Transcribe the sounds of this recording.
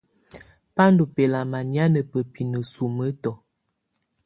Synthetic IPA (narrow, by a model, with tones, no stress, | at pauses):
pa˦ndu˨pe˨la˨ma˨nja˦nə˨pə˨pi˨nə˨su˨mə˦tɔ˨